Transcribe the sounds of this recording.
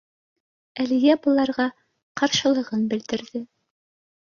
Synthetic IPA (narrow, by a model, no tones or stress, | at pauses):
ælĭjæbŭlˠɑɾʁɑ | qɑɾʃɤ̆lˠɤ̆ʁɤnbɘ̆ld̪ɘ̆ɾðɘ